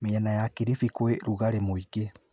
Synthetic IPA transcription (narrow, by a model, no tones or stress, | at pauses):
meanajakiɾifikoeɾuɣaɾemoike